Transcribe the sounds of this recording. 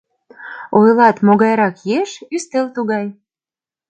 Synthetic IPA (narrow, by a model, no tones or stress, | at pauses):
ojlɑt̪moɣɑjɾɑkjeʃyst̪elt̪uɣɑj